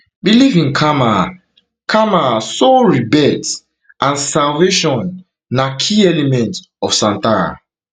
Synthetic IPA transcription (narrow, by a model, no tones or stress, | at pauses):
bilivĩnkʰama | kʰamasoɹibɛts | ʔãnsalveʃɔ̃nː | akʰiɛlɛmɛ̃nt | ɔfsãntaɹa̰